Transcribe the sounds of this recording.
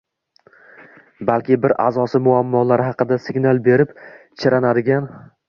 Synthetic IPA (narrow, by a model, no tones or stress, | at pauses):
balkʲɪbɪɾʔa̰zɒsɪmʊamːɒlaɾɪhɑqɨd̪asɪɡʲnalˠbe̞ɾɪp | t͡ʃʰɪɾanad̪ɪɡʲan